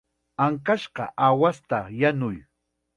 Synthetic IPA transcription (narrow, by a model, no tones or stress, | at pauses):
aŋkaʃɢɑ̰ʔawast̪ajanʊj